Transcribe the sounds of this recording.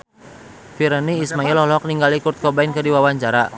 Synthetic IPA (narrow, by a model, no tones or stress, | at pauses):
fiɾɛniːsmailɔhlɔk̚niŋɡalikurt̪̚kɔbainkərdiwawaɲt͡ʃaɾa